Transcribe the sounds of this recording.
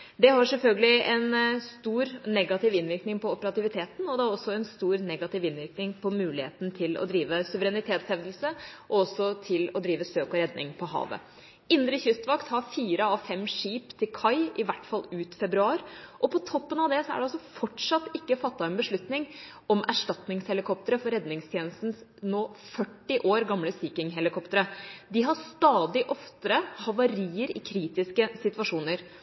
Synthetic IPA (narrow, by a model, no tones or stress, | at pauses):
d̪ɛɦɑɾʂɛlfœlɡəlɪɛnst̪uːɾnɛɡɑt̪ɪʋɪnʋɪɾknɪŋpʰɔɔpəɾɑt̪ɪʋɪt̪ʰeːt̪n̩ɔd̪ɛæɾɔsːɔɛnst̪uːɾnɛɡɑt̪ɪʋɪnʋɪɾknɪŋpʰɔmʉːlɪhḛːt̪n̩t̪ʰɪlɔ̰d̪ɾiːʋəsʉʋəɾɛnɪt̪ʰeːt̪shɛʋd̪l̩səʔɔɔsːɔt̪ʰɪlɔd̪ɾiːʋəsøːkɔɾɛd̪nɪŋpʰɔɦɑ̰ːʋə̰ | ɪnd̪ɾəçʏst̪ʋɑkt̪hɑɾfiːɾəɔfɛmːʂiːpt̪ʰɪlkʰɑɪɪʋæʈːfɑlːˠʉːt̪fɛbɾʉɑːɾʔɔpʰɔt̪ʰɔpːənɑʋd̪ɛsɔæ̰ɖɛɑlsɔfɔʈʂɑt̪ːɪkːəfɑt̪ːɑɛnbəʂɭʉt̪nɪŋ | ɔmʔæʂʈɑt̪nɪŋshɛlɪkʰɔp̚t̪əɾəfɔɾɛd̪nɪŋst̪ʰjɛːnəst̪n̩snoːfœʈːɪʔoːɾɡɑmləsiːkɪŋɦɛlɪkʰɔpt̪əɾəd̪ɪɦɑst̪ɑːd̪ɪʔɔft̪əɾəhɑʋɑɾiːəɾɪ̰kʰɾiːt̪ɪskəsɪt̪ʋɑʂuːnəɾ